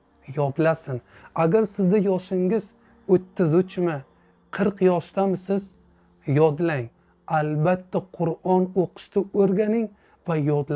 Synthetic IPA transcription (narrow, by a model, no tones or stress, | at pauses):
jɒd̪lasɪnaɡʲaɾsɪzd̪ajɒʃɪŋɪz̥ | ɵt̪ːɪzʊt͡ʃʰmɪ | qʰɨɾqjɒʃt̪amɪsɪz | jɒd̪laŋ | albat̪ʰːaqʰʊɾɒnoqʰɨ̥ʃt̪ʰɪʔoɾɡʲanɪŋ | vajɒd̪la